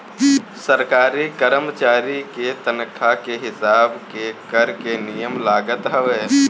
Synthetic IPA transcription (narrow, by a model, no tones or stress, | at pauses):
səɾkaːɾikəɾəmt͡ʃaːɾiket̪ənkʰakeɦɪsaːbkekəɾkenijəmlaːɡət̪ɦɛʋeː